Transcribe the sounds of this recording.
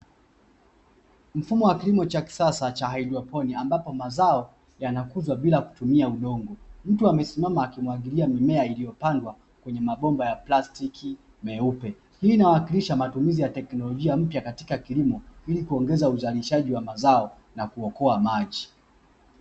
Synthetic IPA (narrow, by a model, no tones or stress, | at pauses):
m̩fumɔwakilimɔt͡ʃaki̥sasat͡ʃaɦailiɔpɔniambapɔmazaɔ | janakuzwaɓilaku̥tumiauɗɔŋɡɔm̩tuamɛsimamaːkimwaɠiliamimɛailijɔpandwa | kwɛɲɛmaɓɔmbajaplastiki | mɛupɛ | hiːnawakiliʃamatumizijatɛknɔlɔʄiam̩pjakati̥kakilimɔilikuɔŋɡɛzauzaliʃaʄiwamazaɔ | nakuɔkɔamaʄi